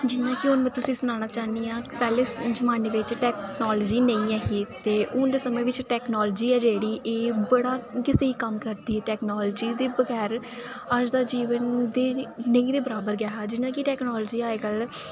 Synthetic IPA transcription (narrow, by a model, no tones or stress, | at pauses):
d͡ʒɪnːãːkɪʊnʋiːt̪ʊsĩːsʊñaːñaːt͡ʃaːniːãːpɛːleːd͡ʒəmãːneːʋɪt͡ʃʈɛːknɔːld͡ʒiːnə̃ĩːɛːɦiːt̪eːʔʊnd̪eːsəmẽːʋɪt͡ʃʈɛːknɔːld͡ʒiːɛːd͡ʒeːɽiːʔeːbəɽaːkɪseːiːkəmkəɾd̪iːɛːʈɛːknɔːlːd͡ʒiːd̪eːbəɡɛːɾ | əd͡ʒd̪aːd͡ʒiːʋənd̪eːnəĩːd̪eːbəɾaːbəɾɡɛːɦaːd͡ʒɪnãːkɪʈɛːknɔːld͡ʒiːaːeːɡəl